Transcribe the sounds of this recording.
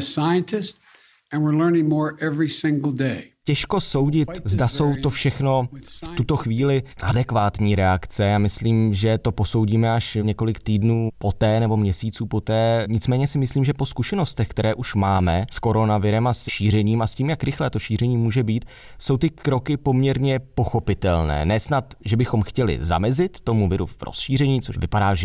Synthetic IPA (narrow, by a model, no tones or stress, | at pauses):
saɪɨ̃ntʰɪst | ɨ̃nwɪɹlɜ̃˞nɪ̃ŋmɔɹʔɛvɹisɪ̃ŋɡl̩ˠdeɪcɛʃko̞so̞wɟɪt̪zdaso̞wt̪o̞fʃɛxno̞ft̪ut̪o̞xviːlɪʔadɛkvaːt̪ɲiːɾɛakt͡sɛjaːmɪsliːmʒɛt̪o̞po̞so̞wɟiːmɛaʃɲɛkolɪkt̪iːdnuːpo̞t̪ɛːnɛbo̞mɲɛsiːt͡suːpo̞t̪ɛːɲɪt͡smɛːɲɛsɪmɪsliːmʒɛpo̞skuʃɛno̞st̪ɛxkt̪ɛɾɛːʔuʃmaːmɛsko̞ɾo̞navɪɾɛmasʃiːr̝ɛɲiːmasciːmjakɾɪxlɛt̪o̞ʃiːrɛɲiːmuːʒɛbiːt̪ | so̞wt̪ɪkɾo̞kɪpo̞mɲɛɾɲɛpo̞xo̞pɪt̪ɛlnɛ̰ːnɛːsnat̪ʒɛbɪxo̞mxcɛlɪ̰za̰mɛzɪt̪ːo̞muvɪɾṵvɾo̰sʃiːr̝ɛɲiːt͡so̰ʃvɪpadaːʒɛ